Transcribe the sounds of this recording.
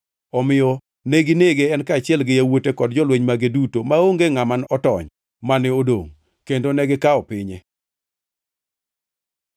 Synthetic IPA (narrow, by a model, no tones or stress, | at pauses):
ɔmɪjɔ | neɡɪneɡeɛnkaːt͡ʃɪɛlɡɪjawotekɔdd͡ʒɔlweɲmaɡedutomaoŋɡeŋamanɔtɔ̰ɲ | manɪodoŋ | kendonɛɡɪkaɔpɪɲɛ